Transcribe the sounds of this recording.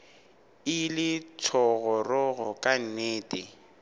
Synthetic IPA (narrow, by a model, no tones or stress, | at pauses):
ɪlɪt͡sʰɔɣɔrɔɣɔkʼan̩neːtʼɪ